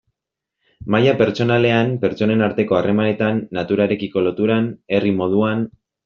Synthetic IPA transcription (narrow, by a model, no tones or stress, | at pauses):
majape̞ɾt͡ʃo̞nale̞ampe̞ɾt͡ʃo̞ne̞naɾt̪e̞ko̞are̞mane̞t̪anːat̪uɾaeɾe̞kiko̞lo̞t̪uɾane̞rimo̞ð̞uan